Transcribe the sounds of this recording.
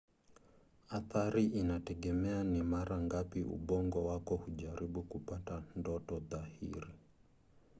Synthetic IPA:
aθaɾiʔinatɛɠɛmɛanimaɾaŋɡapiʔṵɓɔŋɡɔwakɔhuʄaɾiɓukupatandɔtɔðahḭɾi

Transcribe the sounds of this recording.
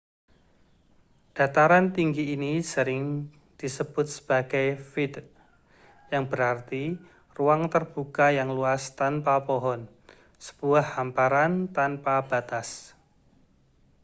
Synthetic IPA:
d̥a̤t̪aɾant̪iŋɡiːnisəɾɪŋ | d̪̥isəb̥ʊt̪̚sə̥b̥aɡ̥ajfid̪ | jaŋbəɾart̪i | ruaŋt̪ərb̥ukajaŋluast̪anpapoɦɔn | sə̥b̥uahːampaɾant̪anpab̥a̤t̪as

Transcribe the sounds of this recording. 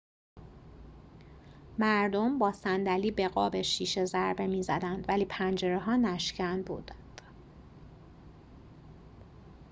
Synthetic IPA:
mæɾd̪o̞mbɒːsænd̪æliːbe̞ɣɒːbe̞ʃiːʃe̞zæɾbe̞miːzæd̪ænd̪væliːpʰænd͡ʒe̞ɾeɦɒːnæʃcʰænbṵːd̪̥nd̪̥

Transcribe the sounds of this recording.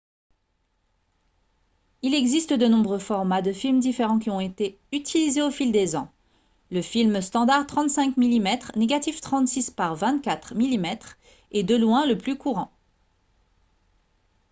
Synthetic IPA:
ilɛɡzist̪əd̪ənɔ̃bʁøfɔʁmad̪əfilmd̪ifeʁɑ̃kʲiɔ̃et̪e | yt̪ʰilizeofild̪ezɑ̃ | ləfilməst̪ɑ̃d̪aʁt̪χɑ̃t̪sɛ̃kmilimɛt̪χneɡat̪ift̪χɑ̃t̪sispaʁvɛ̃t̪kʲat̪χmilimɛt̪χ | ed̪əlwɛ̃ləplykuʁɑ̃

